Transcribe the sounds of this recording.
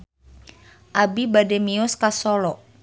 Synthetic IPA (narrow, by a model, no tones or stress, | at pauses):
ʔabibadɛmiʊskasɔlɔʔ